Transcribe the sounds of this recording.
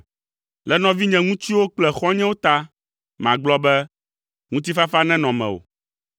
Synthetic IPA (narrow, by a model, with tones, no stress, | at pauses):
lɛ˨nɔ̃˨vi˦ɲɛ̃˨ŋũ˦t̪i˦wo˦k͡plɛ˨xɔ˦ɲɛ̃˦wo˦t̪a˦ | m˨ã̰˨ɡ͡blɔ˦bɛ˦ | ŋũ˦t̪̬i˦fa˦fa˦nɛ̃˦nɔ̃˨mɛ̰̃˨wo̰˨